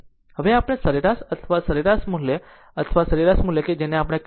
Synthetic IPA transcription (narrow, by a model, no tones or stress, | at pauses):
həʋeapɳesəɾiɾasət̪ʰʋasəɾiɾasmule | ət̪ʰʋasəɾiɾasm̤ulekid͡ʑɛneapɳjak